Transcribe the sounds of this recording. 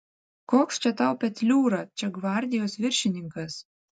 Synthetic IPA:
koːkst͡ʃʲɛt̪ɑʊpʲɛt̪ʲlʲuːɾɐt͡ʃʲɛɡʋɑˑɾʲd̪ʲɪjoːsʋʲɪɾʲʃʲɪnʲɪŋkɐs

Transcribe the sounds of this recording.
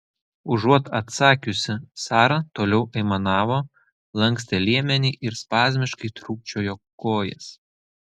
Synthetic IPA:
ʊʒuɔt̪ɐt̪sɑːkʲʊsʲɪsɑːɾɐt̪oːlʲɛʊʔɐɪmɐnɑːʋoː | lˠɐŋʲksʲt̪ʲelʲiɛmʲɛnʲiːʔɪɾspɑːzʲmʲɪʃkɐɪt̪ɾuːk̚t͡ʃʲoːjoːkoːjɛ̰s

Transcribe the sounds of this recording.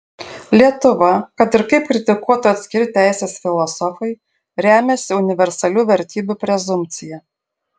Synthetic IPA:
lʲiɛt̪ʊʋɐkɐt̪ɪɾkɐɪp̚kɾʲɪt̪ʲɪkuɔt̪ʊɐt̪ʲsʲkʲɪɾʲɪt̪ʲæˑɪsʲesfʲɪlˠɔsɔfɐɪ | ɾʲæːmʲɛsʲɪʊnʲɪʋʲɛɾsɐlʲuːʋʲɛɾʲt̪ʲiːbʲupʲɾʲɛzʊmʲt̪sʲɪjɛ

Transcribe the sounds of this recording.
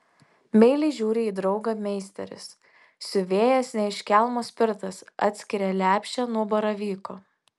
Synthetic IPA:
mʲɛɪlʲɛɪʒʲuːɾʲɪiːd̪ɾɒʊɡɑmʲɛɪsʲt̪ʲɛ̰ɾʲɪ̰s | sʲʊʋʲeːjɛsnʲɛɪʃʲkʲælˠmoːsʲpʲɪɾt̪ɐsʔɑ̰ːt̪ʲsʲkʲɪɾʲɛlʲæːpʲʃʲt͡ʃʲɛnuɔbɐɾɐʋʲiːkoː

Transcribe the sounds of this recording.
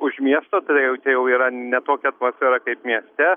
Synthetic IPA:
ʊʃmʲiɛst̪oːt̪ɐɪdɪjɛʊt͡ʃʲɛjɛʊiːɾɐnʲɛt̪oːkʲɛɐt̪moːsʲfʲɛɾɐkɐɪpmʲiɛsʲt̪ʲɛ

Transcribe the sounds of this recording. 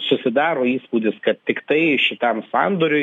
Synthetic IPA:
sʊsʲɪd̪ɑːɾoːiːspuːd̪ʲɪskɐt̪t̪ʲɪkt̪ɐɪʃʲɪt̪ɐmsɑnd̪oːɾʲʊɪ

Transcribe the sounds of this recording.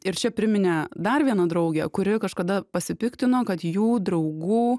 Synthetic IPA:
ɪɾt͡ʃʲɛpʲɾʲɪmʲɪnʲɛd̪ɐrʋʲiɛnɐd̪ɾɐʊɡʲɛkʊɾʲɪkɐʃkɐd̪ɐpɐsʲɪpʲɪkt̪ʲɪnoːkɐt̪juːd̪ɾɐʊɡuː

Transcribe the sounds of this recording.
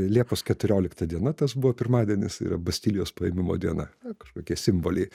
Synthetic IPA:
lʲiɛpoːskʲɛt̪ʊɾʲoːlʲɪkt̪ɐd̪ʲiɛnɐt̪ɐsbʊʋoːpʲɪɾmɑːd̪ʲɛnʲɪsḭːɾɐbɐsʲt̪ʲɪlʲɪjoːspɐjɛmʲɪmo̰ːd̪ʲiɛnɐ̰kɐ̥ʃkoːkʲiɛsʲɪmboːlʲɛɪ

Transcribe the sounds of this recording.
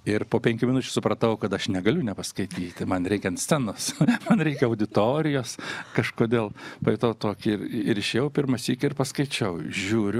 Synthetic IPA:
ɪrpoːpʲɛŋʲkʲʊmʲɪnʊt͡ʃʲʊsʊpɾɐt̪ɐʊkɐt̪ɐʃnʲɛɡɐlʲʊnʲɛpɐskɐɪt̪ʲiːt̪ʲmɐnɾʲɛɪkʲɛnt̪sʲt̪t͡s̪ʲɛnosmɐnɾʲɛɪkʲɛɐʊd̪ʲɪt̪oːɾʲɪjoːskɐʃkoːd̪ʲeːlˠpɐɪt̪oːt̪oːkʲɪrɪɾɪʃʲeːjɛʊpʲɪrmɐsʲiːkʲɪɪrpɐskɐɪt͡ʃʲɐʊʒʲuːɾʲʊ

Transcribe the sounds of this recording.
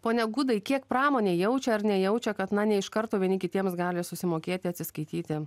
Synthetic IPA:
poːnʲɛɡʊd̪ɐɪkʲiɛkpɾɑːmoːnʲeːjɛʊt͡ʃʲɛɐɾnʲɛjɛʊt͡ʃʲɛkɐt̪nɐnʲɛɪʃkɐɾt̪oːʋʲiɛnʲɪkʲɪt̪ʲiɛmsɡɑːlʲɪsʊsʲɪmoːkʲeːt̪ʲɪɐt̪ʲsʲɪskɐɪt̪ʲiːt̪ʲɪ

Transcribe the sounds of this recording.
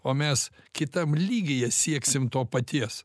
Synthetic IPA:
oːmʲɛskʲɪt̪ɐmlʲiːɡʲejɛsʲiɛksʲɪmt̪oːpɐt̪ʲiɛs

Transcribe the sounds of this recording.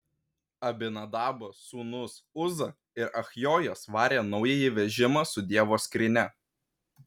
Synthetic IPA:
ɐbʲɪnɐd̪ɑːbɐsuːnʊsʊzɐ | ɪɾɐxʲjoːjosʋɑːɾʲeːnɒʊjɛjɪʋʲɛʒʲɪmɑˑsʊd̪ʲiɛʋoːskɾʲɪnʲɛ

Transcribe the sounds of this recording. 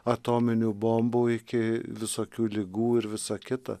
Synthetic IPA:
ɐt̪oːmʲɪnʲuːbomboːɪkʲɪʋʲɪsoːkʲuːlʲɪɡuːɪɾʋʲɪsɐkʲɪt̪ɐ̰

